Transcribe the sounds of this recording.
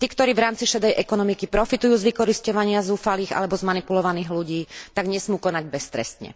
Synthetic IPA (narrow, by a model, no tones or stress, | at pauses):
t̪iːkt̪ɔɾiːʋɾaːmt͡siʃɛd̪ɛjʔɛkɔnɔmikipɾɔfit̪ujuːzʋikɔɾiscɔʋaɲɪazuːfaliːɣa̰lɛbɔzmanipulɔʋaniːɣluɟiːt̪aɡɲɛsmuːkɔnaɟbɛst̪ɾɛ̰st̪ɲɛ̰